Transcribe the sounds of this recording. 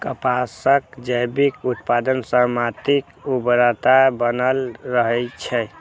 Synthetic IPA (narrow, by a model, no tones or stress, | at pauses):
kəpasəkd͡ʒəjbikut̪pad̪ənsəmat̪ikubɾət̪abənəlɾəɦət͡ʃʰɛ